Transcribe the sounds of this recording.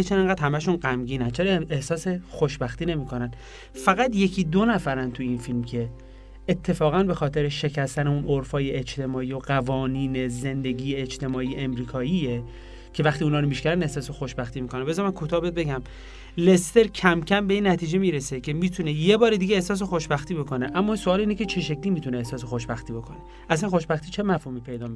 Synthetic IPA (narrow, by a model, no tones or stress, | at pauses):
et͡ʃʰeneŋɡæːd̪hæmæʃunɢæmɟiːnænt͡ʃʰeɾɒehsɒːsexoʃbæxt̪iːne̞miːkʰo̞næn | fæɣæt̪je̞kʰiːd̪onæfæɾænt̪ʰujinfilmcʰe̞ː | t̪ʰːe̞fɒːɣænbe̞xɒːt̪ʰe̞ɾeʃe̞cʰæst̪æneunʔoɾfɒːjeʔed͡ʒt̪e̞mɒːijo̞ɢævɒːniːneze̞nd̪e̞ɡiːjeːd͡ʒt̪e̞mɒːiːeemɾiːkʰɒːiːje | cʰe̞væxt̪iunɒːɾomiʃcæɾænehsɒːse̞xoʃbæxt̪iːmiːkʰonæmbezɒɾmænkʰot̪ʰɒːhbet̪̚beɟæm | le̞st̪e̞ɾcʰæmcʰæmbe̞iːnːæt̪ʰiːd͡ʒe̞miːɾesecʰe̞miːt̪ʰune̞je̞bɒːɾed̪iɡeːhsɒːs̬exo̞ʃbæxt̪iːbo̞ko̞ne̞ʔæmːɒːsoɒːliːnecʰe̞t͡ʃʰe̞ʃ̬ekliːmiːt̪ʰuneːhsɒːs̬e̞xoʃbæxt̪iːbo̞kʰone | ʔæsænxo̞ʃbæxt̪ʰiːt͡ʃʰe̞mæfhuːmiːpʰe̞jd̪ɒːmi